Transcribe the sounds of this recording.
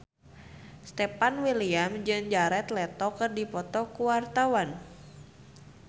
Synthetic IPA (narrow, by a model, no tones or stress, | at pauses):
st̪ɛpanwiliamd͡ʒɨŋd͡ʒaɾɛt̪lɛt̪ɔkɨrdipɔt̪ɔkuwart̪awan